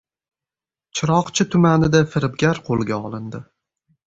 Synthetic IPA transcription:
t͡ʃʰɪɾɒqt͡ʃʰɪt̪ʰʊmanɪd̪afɪɾɪb̚ɡʲaɾqʰolˠɡʲaɒlˠɪnd̪ɪ

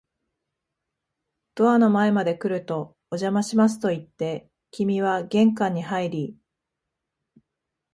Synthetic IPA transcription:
d̪̥o̞ano̞mae̞mad̪e̞kɯ̟ɾɯ̟t̪o̞ː | ʑamaɕimas̬ɨ̥t̪o̞it̪ːe̞ | kʲimʲiβ̞aɡẽ̞ŋkãɲ̟ːihaiɾʲi

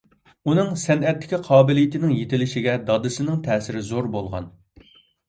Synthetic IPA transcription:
unɨŋsɛnɛt̪ːɪ̥kʲiqʰɑːbɪlɪjɪt̪ɪnɪŋjet̪ʰɪlɪʃɪɡʲɛd̪ɑd̪ɨsɪnɪŋt̪ʰɛːsɪɾɪzoɾbolˠʁɑ̰n

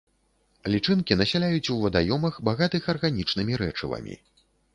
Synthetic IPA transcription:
lʲit͡ʂɨnkʲinɐsʲalʲajut͡sʲuvɐd̪ajɔmɐxbaɣat̪ɨxɐrɣanʲit͡ʂnɨmʲiɾɛt͡ʂɨ̰vɐ̰mʲḭ

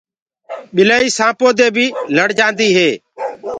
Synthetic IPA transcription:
ɓɪlaːiːsãːpoːd̪eːbʱiːləɽd͡ʒãːnd̪iːɦeː

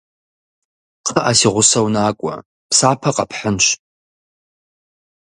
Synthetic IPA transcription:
qʰəʔasiʁʷʊsownaːkʷʼa̰ | pʰsapʰaqʼa̰pʰħənʃʷ

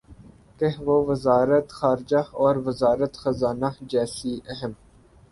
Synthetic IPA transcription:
keɦʋoːʋəzaːɾət̪xaːɾɪd͡ʒaɔːɾʋəzaːɾət̪xɐzaːnad͡ʒɛːsiʔɐɦəm

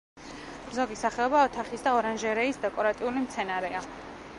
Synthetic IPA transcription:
mzɔɡisaχɛɔbaɔt̪ʰaχisd̪aɔɾanʒɛɾɛisd̪ɛkʼɔɾat̪ʼiulimt̪sʰɛnaɾɛa

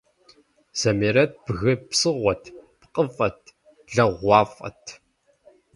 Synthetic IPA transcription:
z̥ɐmeːɾɐt̚b̥ɣɨpsɨʁʷɔtʰpqʼəfʼɐtʰ | ɮɐʁʷɑːfʼɐ̰tʰ

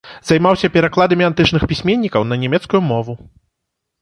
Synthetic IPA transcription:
z̥ajmawsʲɐpʲɛɾaklˠad̪ɐmʲiant̪ɨt͡ʂnɨxpʲisʲmʲenʲːikɐwnɐnʲɛmʲɛt̪skujumɔvu

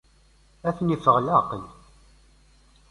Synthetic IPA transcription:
æθnifəʁlɑqəl

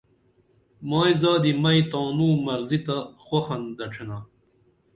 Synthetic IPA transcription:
maːjzaːd̪imɐit̪aːnũːmɐɾzit̪axoxɐnd̪ɐʈ͡ʂʰena

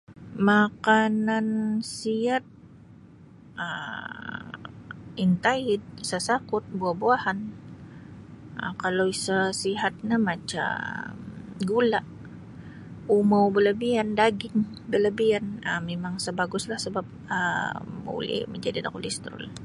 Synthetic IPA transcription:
makanansiat̪̚ | ʔə̰ | int̪aɪt̪̚sasakʊt̪̚buahbuahan | ə̰kalowisasiɦat̪̚ɲamat͡ʃa̰mɡulaʔ | umawbələbiandaɡɪŋ | bələbianə̰memaŋsəbaɡʊslahsəbap̚ə̰bṵlɪ̰hməɲd͡ʒadida̰kulist̪ɾʊ̰l

